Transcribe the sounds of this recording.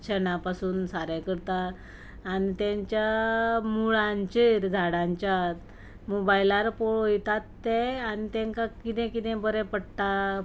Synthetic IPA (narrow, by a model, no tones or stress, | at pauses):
t͡ɕʰənapasuːnsaɾɛ̃kəɾt̪aː | nit̪jãɲt͡ɕjamuɭãɲt͡ɕeɾd͡zʱaɽãɲt͡ɕjat̪ | mobajlaɾpɔɭojt̪at̪ːɛanit̪ɛ̃ŋkakit̪ɛ̃kit̪ɛ̃bəɾɛ̃pəɽʈ̪a